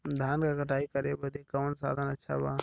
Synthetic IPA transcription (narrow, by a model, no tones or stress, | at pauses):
d̪ʱaːnkakəʈʰaːikəɾebəd̪ʱikəʋənsa̰ːd̪ʱənətːʃʰa̰baː